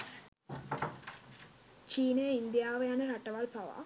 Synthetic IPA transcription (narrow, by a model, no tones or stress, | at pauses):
t͡ʃiːnejɐind̪jaːʋɐjaːnɐɾɐʈːɐʋaːlpɐʋa̰ː